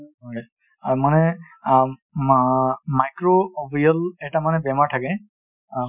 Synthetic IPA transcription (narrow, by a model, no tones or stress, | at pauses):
ɦɔj | amanɛ | majkɹoːbijɔlɛtamanɛbɛmaɹtʰakɛ